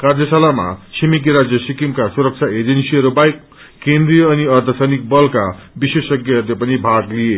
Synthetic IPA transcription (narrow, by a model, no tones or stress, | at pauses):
kard̪jʌsalama̰sʰimik̬iɾad͡zjʌsikimkasuɾʌk̚t͡sʰaed͡zensiʌɾubajkː | end̪rijʌːniʌrt̪ʰʌsʌnik̚bʌlkabisesʌɡjʌʌɾlepʌnibʱaɡlije